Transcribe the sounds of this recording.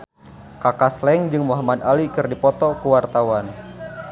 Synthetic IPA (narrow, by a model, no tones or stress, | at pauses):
kakaslɛŋd͡ʒɨŋmuɦamad̪alikɨrdipɔt̪ɔkuwart̪awan